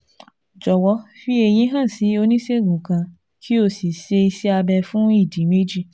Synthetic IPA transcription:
d͡ʒɔ˨wɔ˨˦fi˦e˧j̃ĩ˧˦ɦã˦˨si˨˦o˧nĩ˦se˦˨ɡũ˨kã˧ | kʰi˦o˦˨si˨se˧i˧si˦a˧bɛ˧fũ˦i˦˨di˨˦me˦d͡ʒi˦˨

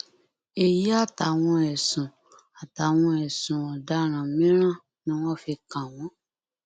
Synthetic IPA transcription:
e˨ji˨˦a˦˨ta˨w̃ɔ̃˧ɛ˨sũ˨ | a˨ta˨˦w̃ɔ̃˧ɛ˨sũ˨ɔ˨da˨˦ɾ̃ã˨mĩ˦ɾ̃ã˦˨ | nĩ˦w̃ɔ̃˦fi˧kã˨w̃ɔ̃˨˦

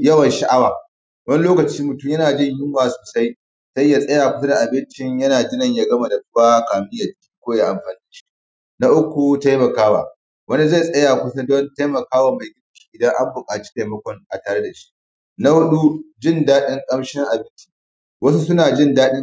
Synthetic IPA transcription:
jɐ˦wɐ˨nʃa˦ʔa˦waː˨ | wɐ˦ni˦loː˦kɐ˨t͡ʃiː˦mʊ˨tʊ˦mjɐ˦naː˨d͡ʒɪ˦ɲjʊ˦mwaː˨soː˨sa˦j | sa˦jːa˦˨sʼɐ˦jaː˨kʷʊ˦sɐ˦da˨ʔa˨bɪ˦nt͡ʃɪ˨ɲjɐ˦naː˨ɡʲɪ˦nɐ˨ɲja˨ɡɐ˦ma˨da˨ɸʊ˦baː˦kaː˨mɪ˦jɐ˨tkʲi̥ː˦kʷoː˦ja˦ʔa˨mɸa˨nː˦i˦ʃi̥˦ | na˦ʔʊ˦kʷu˨ta˦jmɐ˨kaː˦wa̰˨ | wɐ˦ni˦za˦˨jsʼɐ˦jaː˨kʷʊ˦sa˦dɔ˦nta˦jmɐ˨kaː˦waː˨ma˨jɡʲɪ˦kʲi̥ː˦ʔɪ˨dɐ˦ŋʔa˦mbʊ˨kʼaː˨t͡ʃi̥˦ta˨mɐ˦kʷɔ˦ŋʔa˨taː˨ɽe˦da˨ʃi̥˦ʔ | na˦hʊ˦ɗu˦d͡ʒɪ˦˨ndaː˦ɗɪ˦ŋkʼɐ˦mʃɛ˦ŋʔa˨bɪ˦nt͡ʃi̥ː˨ | wɐ˦s̬u˦sʊ˦naː˨d͡ʒɪ˦˨ndaː˦ɗɪ˦

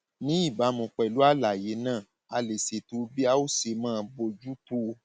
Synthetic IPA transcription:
nĩ˦i˦˨ba˨˦mũ˨˧˨k͡pɛ˨lu˨˦a˦˨la˨je˨˦nãː˦˨ | a˧le˨se˨tu˧˦bi˦a˦o˦se˧˦mãː˦˧bo˧d͡ʒu˦to˦˧

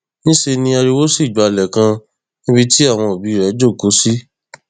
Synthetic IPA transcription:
nĩ˦ʃe˧nĩ˧a˧ɾi˧wo˦si˦˨d͡ʒu˨a˧˨lɛ˨kã˧ | nĩ˦bi˧ti˦a˦˨w̃ɔ̃˧o˨bi˨˦˨ɾɛ˨˦d͡ʒo˦˨ko˨˦si˦

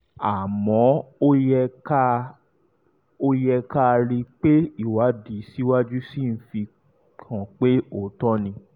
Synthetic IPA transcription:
a˨mɔ̃˨˦o˦jɛ˧ka˦ | o˧jɛ˧ka˦˧ɾi˧k͡pe˦i˦˨wa˨˦di˨˦si˦wa˦d͡ʒu˦si˦˨n̩˦fi˧ | kʰã˨k͡pe˦o˨tɔ˦nĩ˧

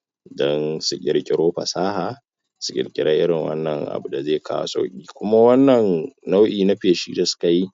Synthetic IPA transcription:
dɔ˦nsʊ˨kʲʼɪ˨ɽkʲʼɪ˦ɽoː˦ɸɐ̰˨saː˦haː˨ | sʊ̥˨kʲʼɪ˨kʲʼɪ˦ɽaː˦ʔɪ˦ɽɪ˨ŋwɐ̰˦nːɐ˨ŋʔa̰˨bu˨da˨zeː˦˨kʰa̰ː˦wa̰˨sa̰˦kʲʼiː˨kʷʊ˦ma˦wɐ˦nːɐ˨nna˦wʔiː˨na˦ɸeː˨ʃḭː˦da˨sʊ̥˦ka˨ji˦

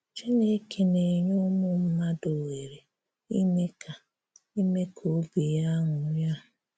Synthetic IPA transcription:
t͡ʃi˦ne˦kʰe˨ne˨ɲo˦mʊ˦m̩˦ma˦do˨we˨ɾe˨ | i˦me˦ka˨ | i˦me˦kʰo˨˦ɡi˨ja˦ŋʊ˨˦ja˦ʊ˨

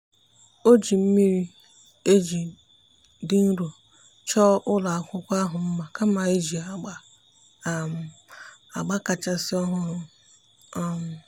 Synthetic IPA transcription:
o˦d͡ʒi˨m̩˦mi˦ɾi˦ | e˦d͡ʒi˨ | dɪ˦n̩˦ɾo˨ | t͡ʃɔ˦ʔʊ˦la˨a˨kʷʊ˦kʷa˦ɦʊ˨m̩˦ma˨ka˦ma˨e˦d͡ʒi˨a˨a˦˨ | a˨ɡ͡ba˦ka˨t͡ʃa˦sɪ˦ɔ˦ɦʊ˦ɾʊ˨˦˨

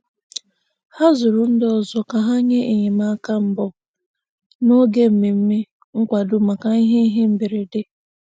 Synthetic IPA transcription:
ha˦zʊ˨ɾʊ˨n̩˦dɔ˨zɔ˨ka˨ɦa˦ɲe˦ʔe˨ɲe˨ma˦ka˦m̩˦bɔ˦ | no˦ɡe˦˨m̩˨me˨m̩˦me˦ | ŋ̩˦kʷa˨dʊ˦ma˨ka˨i˦ɦe˦i˦ɦe˦m̩˦bi˨ɾe˨dɪ˦

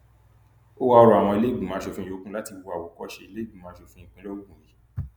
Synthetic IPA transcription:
o˦wa˧ɔ˧ɾɔ˨a˨w̃ɔ̃˧i˧le˦i˦bũ˨mã˨˦ʃo˧˨fũ˦o˨˦kũ˦la˦ti˧bu˧˨a˨wɔ˨kɔ˦ʃe˧i˧le˦i˦bũ˨ãː˨˦ʃo˧˨fũ˦˨ĩ˨kũ˦lɔ˦ɡũ˦˨ji˨˦

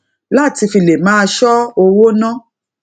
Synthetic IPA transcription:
la˦˨ti˧fi˧˨le˨mãː˦˧ʃɔ˦o˧wo˦nã˦

